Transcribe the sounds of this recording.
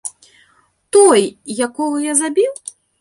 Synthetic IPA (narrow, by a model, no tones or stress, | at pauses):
t̪ɔjjakɔɣujazabʲiw